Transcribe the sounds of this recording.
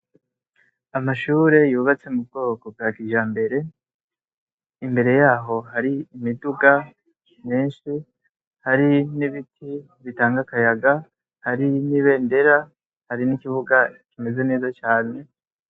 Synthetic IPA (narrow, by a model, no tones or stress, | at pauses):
amaʃuːɾe̞juːβat͡se̞mubɡo̞ːko̞b̚ɡaːkiʒaːmbe̞ɾe̞ | imbe̞ɾe̞jaːɦo̞ɦaɾiːmiduɡa | miːnʃi | haɾiniβitʰi | βitaːŋɡakajaɡa | haɾiniβe̞ːnde̞ɾa | haɾinikiβuɡakime̞ze̞ne̞ːzat͡ʃaːne̞